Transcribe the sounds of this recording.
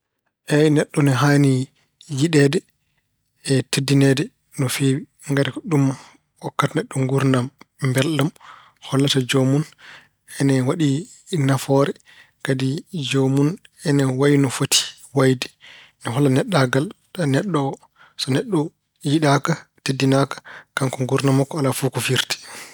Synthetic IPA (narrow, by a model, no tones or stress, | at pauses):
ʔɛnɛɗːɔnɛɦaːni | jiɗɛdɛ | ɛtedːinɛdɛ | nɔfewi | ŋɡaɾikɔɗum | wɔkːatanɛɗːɔŋɡuɾnamːbɛlɗam | hɔlːatad͡ʒomun | ɛnɛwaɗi | nafɔɾɛ | kadid͡ʒomunɛnɛwajnɔfotʰi̥ | wajdɛ̥ | nɔɦɔlːanɛɗːaɡal | ɗanɛɗːɔ | sɔnɛɗːɔ | jiɗaka | tedːinakḁkaŋkɔŋɡuɾnamɔkːɔalafukɔfiɾti̥